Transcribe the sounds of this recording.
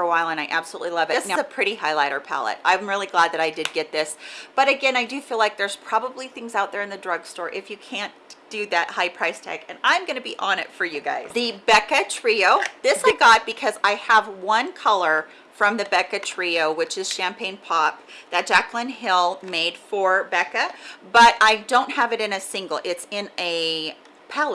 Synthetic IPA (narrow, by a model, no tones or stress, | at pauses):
fə˞əwaɪlˠə̃ñaɪʔæb̥səlṵtˡlilʌvɨnaɨpʰɹ̥ɪɾihaɪlaɪɾə˞pʰæ̰lˠə̰ɾ̚ã̰ɪ̃mɹɪlˠiɡlæd̪̚ðɨɾaɪdɨd̚ɡɛt̪̚ðɪsb̥ʌɾɨɡɛ̃naɪdɨfilaɪk̚ðə˞z̥pʰɹ̥ɑbəbliθɪ̃ŋzaʊt̪̚ðə˞ɨ̃nðɨdɹʌɡ̥stɔɹʔɨfjɨkʰæ̃nd̥ɨðɨt̚haɪpʰɹ̥aɪstʰæ̰kɨ̃nãɪ̃mɡʌnɨbiʔɑ̃nɨ̰tfə˞jɨɡa̰ɪz̥ðɨbɛkɨtʰɹ̥ioʊðɪsaɪɡɑt̚b̥ɨkʰʌzaɪəvwʌ̃nkʰʌlˠə˞ | fɹʌ̃mðɨbɛkɨtʰɹ̥ioʊwɨt͡ʃɨz̥ʃæ̃mpʰẽɪ̃npʰɑp̚ðɨt̚d̥ʒ̥æklɨ̃nɦɪlˠmeɪd̥fə˞bɛkɨb̥ʌɾʔaɪdõʊ̃nt̚həvɨɾɨ̃nɨsɪ̃ŋɡl̩ˠʔɪtsɪ̃nɨ | pʰɛlˠ